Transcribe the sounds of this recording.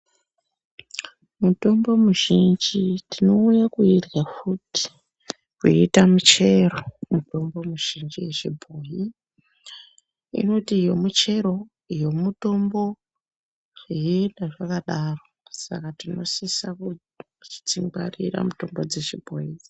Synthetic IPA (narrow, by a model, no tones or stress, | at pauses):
muto̞mbo̞muʒind͡ʒitino̞ujakuirɣafuti̥ | kweitamut͡ʃe̞ɾomuto̞mbo̞muʒ̥ind͡ʒijeʐibʱoji | ḭno̞tijo̞mut͡ʃe̞ɾo̞ | jo̞muto̞mbo̞ | ijendaʐakaɗaro̞ | sa̰katino̞sisaku | t͡ʃi̥t͡siŋɡwa̰rḭɾa̰muto̞mbo̞d͡ze̞ʐibʱo̰ji